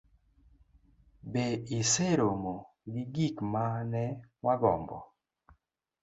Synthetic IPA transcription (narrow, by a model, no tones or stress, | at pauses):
beiseɾomo | ɡɪɡikmanɛwaɡɔ̰mbɔ̰